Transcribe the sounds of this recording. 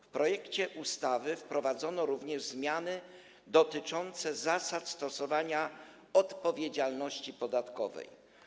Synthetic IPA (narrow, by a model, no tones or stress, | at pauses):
fpɾʔɔjɛkt͡ɕɛʔust̪avɘfpɾɔvad̪zɔnɔɾuvɲɛʐzmʲjanɘ | d̪ɔt̪ɘt͡ʂɔnt̪sɛzasat̪st̪ɔsɔvaɲa | ɔt̪pɔvʲjed͡ʑalnɔɕt͡ɕipɔd̪at̪kɔvɛ̰j